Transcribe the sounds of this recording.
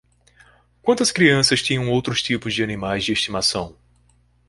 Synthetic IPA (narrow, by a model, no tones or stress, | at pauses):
kwɐ̃nt̪ɐskɾiɐ̃sɐst͡ʃĩɲɐ̃w̃owt̪ɾʊst͡ʃipʊzd͡ʒɪɐnĩmajzd͡ʒɪeʃt͡ʃimasɐ̃w̃